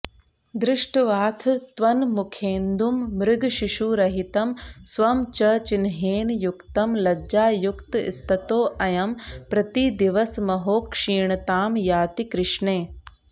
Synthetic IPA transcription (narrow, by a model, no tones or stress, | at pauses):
d̪ɾɪʂʈʋaːt̪ʰt̪ʋɐnmukʰeːnd̪umːɾɪɡʱʃiʃuːɾɐɦit̪ɐmsʋɐmt͡ʃɐt͡ʃinɦeːnjukt̪ɐmlɐd͡ʒaːjukt̪ḭst̪ʰɐt̪oːʔɐjɐmpɾɐt̪id̪iʋɐsmɐɦoːkʂiːɳt̪aːmjaːt̪ikɾɪʂɳeː